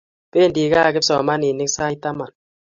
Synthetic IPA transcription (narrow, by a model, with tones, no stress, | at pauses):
peː˦˨n˨di˨ka˦˨ke˦psɔ˨ma˦ni˨ni˦ksa˦i˦ta˦ma˨n